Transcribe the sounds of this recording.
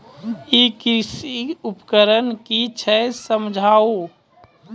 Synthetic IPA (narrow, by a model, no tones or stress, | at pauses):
ikisiupkəɾənkit͡ʃʰɛsəmd͡ʒʱao